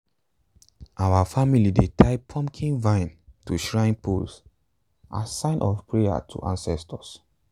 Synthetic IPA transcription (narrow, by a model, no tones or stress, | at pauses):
ʔawafamilidetʰaɪpʰɔ̃mkʰĩnvãɪ̃ntuʃɹãɪ̃npʰṵls | ʔa̰sãɪ̃nʔɔfpʰɹea̰tʰṵʔãnsɛstʰəs